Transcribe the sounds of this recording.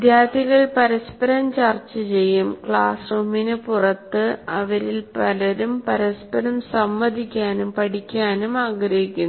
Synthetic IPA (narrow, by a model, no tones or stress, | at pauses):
d̪jaːd̪iɣɐɭpɐɾɐspɐɾɐmt͡ɕɐrt͡ɕːɨt͡ɕe̞jːumkɭaːsrumːinɨpurɐt̪ːɨɐʋɐɾilpɐlɐɾumpɐɾɐspɐɾɐmsɐmːɐd̪ʱikʲːaːnumpɐɽikʲːaːnumaːɡɾɐɦjikʲːunː